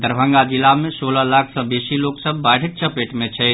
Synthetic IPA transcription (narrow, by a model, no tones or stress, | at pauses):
d̪əɾbʱə̃ŋɡad͡ʒilamesoləlakʰsə̃besiloksəbːaʈʰək̚t͡ʃʰəpeʈmet͡ʃʰɛ